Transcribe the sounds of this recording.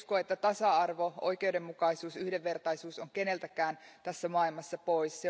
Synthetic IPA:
skoet̪ːæt̪ɑsɑɑrʋo̞o̰jkeude̞mːukɑisuːsyhde̞ʋːe̞rt̪ɑisuːsoŋkene̞lt̪ækæːnt̪æsːæmuɑːilmɑsːɑpo̞isse

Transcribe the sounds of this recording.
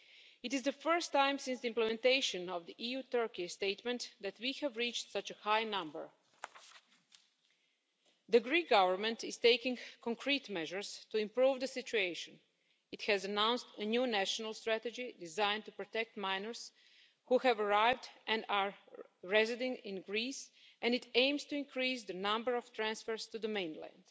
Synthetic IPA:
ɪtɪzd̪əfɜ˞stãɪ̃msɪ̃nsd̪iĩmplɛmɛ̃nt̪eɪʃə̃nɔʋd̪iʔijut̪ɜ˞kist̪eɪtmɛ̃ntd̪æt̪wihɛvɹiːt͡ʃtsʌt͡ʃəhajnʌ̃mbə̰ɹ | d̪əɡɾiːk̚ɡʌʋəɹmɛ̃ntɪz̥teɪkɪ̃ŋkɔ̃ŋkʰɾiːtmɛʒəɹstuɪ̃mpɾuːvd̪əsɪt͡ʃueɪʃə̃n | ɪthɛzənãw̃nstənjuːnæʃənalˠst̪ɾæt̪ɛd͡ʒidɪzãɪ̃ntupɹɔt̪ɛk̚t̪mãɪnəɹs | huhɛvəɹaɪvdʔɛ̃naɹɹɛzɪdɪ̃ŋɡɪ̃nɡɾiːs | ʔɛ̃ndɪtẽɪ̃mstuɪ̃nkʰɹiːzd̪ənʌ̃mbəɹɔft̪ɾæ̃nsfəɹst̪ud̪əmẽɪ̃nlæ̰̃nd̥

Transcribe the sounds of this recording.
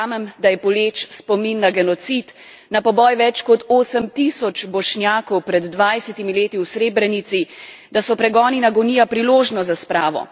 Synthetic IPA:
amɛmd̪ajɛpɔleːt͡ʃspɔminːaɡɛnɔt̪sit̪ | napɔbɔːjʋɛt͡ʃkɔt̪oːsəmt̪isɔt͡ʃbɔʃnjaːkɔwpɾɛd̪ːʋajsɛt̪imileːt̪iwsɾeːbɾɛnit̪si | d̪asɔpɾɛɡɔːninaɡɔniːjapɾiloːʒnɔzaspɾaːʋɔ̰

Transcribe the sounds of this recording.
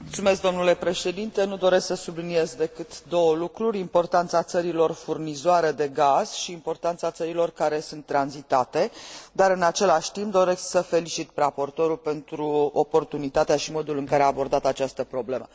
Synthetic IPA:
mult̪sume̞s̬k̚d̪o̞mnule̞pɾe̞ʃe̞d̪int̪e̞nud̪o̞ɾe̞sksəsublinie̞zd̪e̞kɨt̪d̪o̞wəlukɾuɾʲimpo̞rt̪ant̪sat̪səɾilo̞rfurnizoaɾəd̪e̞ɡaz̥ʃiːmpo̞rt̪ant̪sat̪səɾilo̞rkaɾe̞sunt̪ːɾanzit̪at̪e̞d̪aɾɨnat͡ʃe̞laʃʲt̪imp̚d̪o̞ɾe̞sksəfe̞lit͡ʃit̪prapo̞rt̪o̞ɾulpe̞nt̪ɾuo̞po̞rt̪unit̪at̪eaʃimo̞d̪ulɨŋkaɾeaːbo̞rd̪at̪at͡ʃast̪əpɾo̞ble̞mə

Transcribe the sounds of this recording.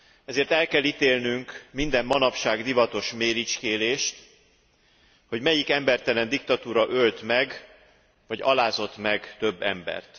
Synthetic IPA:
ɛzeːrt̪ɛlkɛlːit̪eːlnyŋkmind̪ɛmːɒnɒpʃaːɡd̪ivɒt̪o̞ʃmeːɾit͡ʃkeːleːʃt̪ | ho̞ɟmɛjikɛmbɛrt̪ɛlɛnd̪ik̚t̪ɒt̪uːɾɒʔølt̪mɛɡ | vɒɟɒ̰laːzo̞t̪mɛɡt̪ø̞bːɛ̰mbɛ̰rt̪

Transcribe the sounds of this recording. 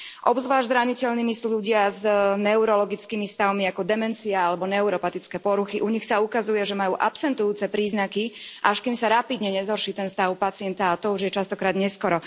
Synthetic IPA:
ʔɔbzʋlaːʒzɾaɲicɛʎniːmisʎuɟɪaznɛuɾɔlɔɡit͡skiːmist̪aʊmiakɔd̪ɛmɛnt͡siaalɛbɔnɛuɾɔpat̪it͡skɛpɔɾuxiʔuɲixsaukazujɛʒɛmajuːʔapsɛnt̪ujuːt͡sɛpɾiːznakiʔaʃkiːmsaɾapid̪ɲɛɲɛzɦɔrʃiːt̪ɛnst̪aʊpat͡sɪɛnt̪aːt̪ɔuʒjɛt͡ʃast̪ɔkɾaːd̪ɲɛskɔɾɔ

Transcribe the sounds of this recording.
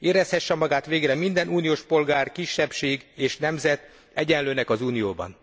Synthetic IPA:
eːɾɛshɛʃːɛmɒɡaːt̪ʋeːɡrɛmind̪ɛnʔuːnijoːʃpo̞lɡaːrkiʃːɛpʃeːɡeːʃnɛmzɛt̪ | ɛɟɛnløːnɛkɒzuːnijo̰ːbɒ̰n

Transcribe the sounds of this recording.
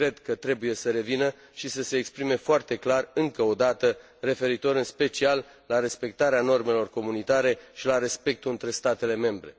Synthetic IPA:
kɾe̞d̪kət̪ɾe̞buje̞səɾe̞vinə | ʃisəseːkspɾime̞foart̪e̞klarɨŋkəo̞d̪at̪ə | re̞fe̞ɾit̪o̞ɾɨnspe̞t͡ʃialː | aɾe̞spe̞k̚t̪aɾeano̞rme̞lo̞rko̞munit̪aɾe̞ʃilaɾe̞spe̞k̚t̪uɨnt̪ɾe̞st̪at̪e̞le̞me̞mbɾe̞̰

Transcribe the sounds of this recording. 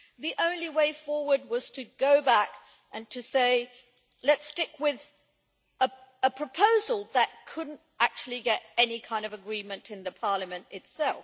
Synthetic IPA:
ðiʔõʊ̃nliweɪfɔɹwə˞d̚wʌz̥tʰɨɡoʊbæk | ʔɨ̃ntʰɨseɪ | lɨtstɪkwɪð | əəpʰɹ̥əpʰoʊzl̩ˠðət̚kʰʊdⁿn̩t̚ʔæk̚t͡ʃʉl̩ˠiɡɛɾɛnikʰãɪ̃ndʌvɨɡɹĩmɨ̃ntɨ̃nðɨpʰɑɹlˠəmɨ̃ntɨtsɛlˠ

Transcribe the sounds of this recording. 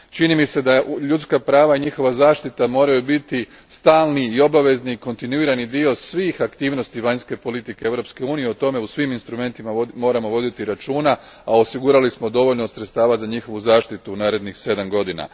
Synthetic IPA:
t͡ʃinimise̞d̪aʎut̪skapɾaːʋaiɲixo̞ʋazaːʃt̪it̪amo̞ːɾajubit̪i | st̪aːlˠniːo̞baʋe̞zniːko̞nt̪inuiːɾanid̪io̞sʋiːxakt̪iːʋno̞st̪iʋaɲske̞po̞lit̪ike̞eʋɾo̞pske̞uːnije̞o̞t̪o̞me̞usʋiminst̪ɾume̞nt̪imamo̞ːɾamo̞ʋo̞d̪it̪iɾat͡ʃuːna | ao̞siɡuɾalismo̞d̪o̞ʋo̞ʎnosɾet̪st̪aːʋazaɲixo̞ʋuzaːʃt̪it̪unaːɾe̞d̪nixse̞d̪amɡo̞d̪ina̰

